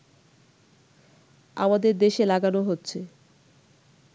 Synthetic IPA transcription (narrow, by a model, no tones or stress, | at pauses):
a̰mad̪eɾd̪eʃelaɡanoɦotːɕʰe